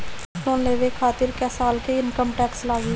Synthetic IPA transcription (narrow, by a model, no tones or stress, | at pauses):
nõːnleːʋekʰaːt̪ɪɾkɛːsaːlkeɪnkəmʈɛːkslaːɡi